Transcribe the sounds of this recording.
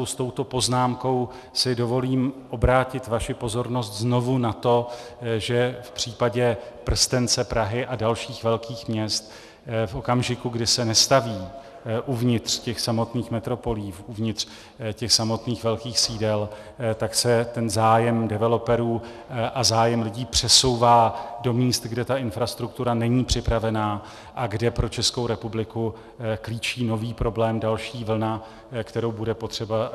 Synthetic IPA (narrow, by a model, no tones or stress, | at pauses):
owst̪o̞wt̪o̞po̞znaːmko̞w | sɪdo̞vo̞liːmʔo̞bɾaːcɪt̪vaʃɪpo̞zo̞ɾno̞st̪zno̞vunat̪o̞ | ʒɛfpr̝̥iːpaɟɛpr̩st̪ɛnt͡sɛpɾaɦɪʔadalʃiːxvɛlkiːxmɲɛst̪̚ | fʔo̞kamʒɪkuɡdɪsɛnɛst̪aviː | ʔuvɲɪt̪r̥cɛxsamo̞t̪niːxmɛt̪ɾo̞po̞liːfuvɲɪt̪r̥ | cɛxsamo̞t̪niːxvɛlkiːxsiːdɛl | t̪aksɛt̪ɛnzaːjɛmdɛvɛlo̞pɛɾuː | ʔazaːjɛmlɪɟiːpr̥ɛso̞wvaːdo̞miːst̪ɡdɛt̪aʔɪnfɾast̪ɾuk̚t̪uɾanɛɲiːpr̝̥ɪpɾavɛnaː | ʔaɡdɛpɾo̞t͡ʃɛsko̞wɾɛpublɪku | kliːt͡ʃiːno̞viːpɾo̞blɛːmdalʃiːvl̩na | kt̪ɛɾo̞wbudɛpot̪r̝̥ɛba